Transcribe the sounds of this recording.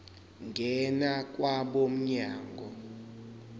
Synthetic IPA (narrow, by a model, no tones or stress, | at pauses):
ŋɡʱɛnak̬ʼwaɓom̩ɲaːŋɡʱɔ